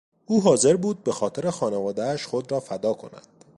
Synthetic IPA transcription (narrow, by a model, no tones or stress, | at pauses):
uːɦɒːze̞ɾbuːd̪̚be̞xɒːt̪ʰe̞ɾe̞xɒːnevɒːd̪æːʃχo̞d̪ɾɒːfæd̪ɒːkʰo̞̰næ̰d̪̥